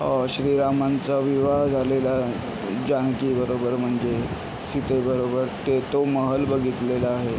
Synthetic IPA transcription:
ɕɾiːɾamant͡saʋiʋaɦd͡zʱalela | d͡ʑankibəɾobəɾm̤əɳd͡ze | sit̪ebəɾobəɾt̪et̪oməɦəlbəɡʱit̪lelaːɦe

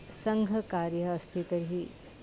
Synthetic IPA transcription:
səŋɡʱəkaɾjəːst̪ʰit̪əɾɦiː

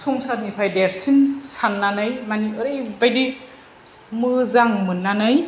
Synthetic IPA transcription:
sʰɔŋsat̚nipʰajdeɾsinsanːanɯjmaniɯɾejbajdi | mɯzaŋmɯnːanɯj

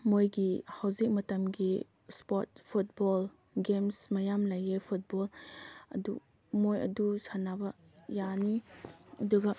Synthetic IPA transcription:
mojɡihawzik̚mɐtɐmɡi | spɔt̚pʰut̚bɔl | ɡemsmɐjamlɐjepʰut̚bɔlɐ̰du | mojɐ̰dusʰanabɐ | janiɐduɡɐ

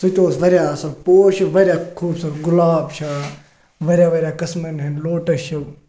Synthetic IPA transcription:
sut̪oːsʋɐɾʲjaːsɐlpoːʃiʋɐɾʲjaːkʰuːbsɐɾɡʊlaːbt͡ʃʰaː | ʋɐɾʲjaːʋɐɾʲjaːkɐsmɐnɦɐnloːʈɐʃɐ

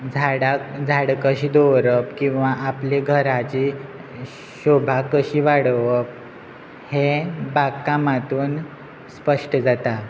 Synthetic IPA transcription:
d͡zʱaɽad͡zʱaɽkəɕid̪oʋɾəpkĩw̃ʋaʔapleɡʱəɾat͡ɕi | ɕobʱakəɕiːʋaɽʋəp̚ | hebakːamat̪uːn | spəʂʈəd͡zat̪a

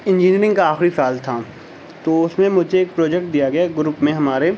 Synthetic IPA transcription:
ɪ̃nd͡ʒiːniəɾɪ̃ŋɡkaaːxɾifaːlt̪ʰa | t̪oʊsmẽmʊd͡ʒeeːk̚pɾoːd͡ʒɛk̚ʈ̚d̪ijaɡɐjaɡɾʊpmẽɦɐmaːɾe

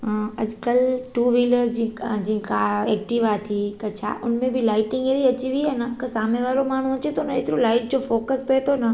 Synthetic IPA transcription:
ɦɐd͡ʑkəlʈuːʋiːləɾd͡ʑid͡ʑĩːkaɛːk̚ʈɪʋaːt̪ʰikɐt͡ɕʰa̰ʔʊnmẽbʱɪlaːɪʈɪ̃ŋɡeɾiɐt͡ɕiʋianɐkɐsaːmeʋaːɾomaːɳ̤ũɐt͡ɕet̪oʊnḛːt̪ɪɾolaːɪʈ̚d͡ʑofoːkəspɐet̪ʰonɐ

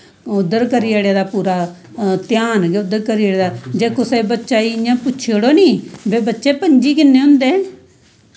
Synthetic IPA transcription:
ʊd̪əɾkəɾieːɽjeːd̪aːpuːɾaː | t̪jaːnɡʊd̪ːəɾkəɾiːeɽeːd̪aːd͡ʒeːkõːsebətːʃaːiːjãːpʊtːʃʰeɽoːniːbeːbətːʃeːpəɲd͡ʒiːkɪnːeːɦʊ̃nd̪eː

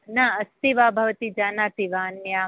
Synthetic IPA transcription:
naɐst̪iʋaːbʱɐʋɐt̪id͡ʒaːnaːt̪iʋaːnjaː

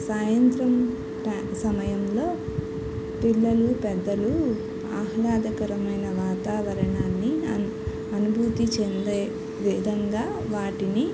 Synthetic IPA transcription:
saːjɐnt̪ɾɐm | ʈː | sɐmɐjɐmlo̞ː | piɭːɐlupɛd̪ːɐlu | aːɦɐlaːd̪ɐkɐɾɐmɐjnɐʋaːt̪aːʋɐɾɐɳaːnːi | ɐnubʱuːt̪it͡ʃend̪eː | ʋid̪ʱɐŋɡaː | ʋaːʈini

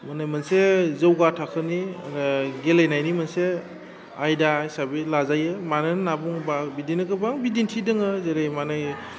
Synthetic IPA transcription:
manajmansezəwɡatʰakʰɯni | ɡelejnajnimanse | ajdajsabilazajɯmanɯnnabuŋbabidinɯɡɯbaŋbidintʰidɯŋɯzeɾejmanɯj

